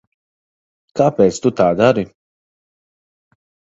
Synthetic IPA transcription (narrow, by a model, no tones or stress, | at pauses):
kaːpeːt̪st̪ut̪aːd̪aɾi